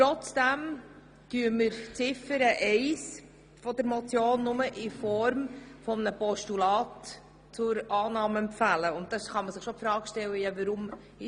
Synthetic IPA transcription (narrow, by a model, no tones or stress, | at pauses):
ɾɔt͡sd̥æm | tyːəməɾt͡sɪfəɾəʔɛɪs | fɔdəɾmɔt͡sjoːnːʊməʔɪfɔɾmfɔmənəpɔʃtulɑːtː | t͡sʊɾʔɑːnɑːməɛmpfæləʊnt̚d̥ɑsχɑməsɪχʃopfɾɑːɡʃtɛlːəjɑvəɾʊm | ɪ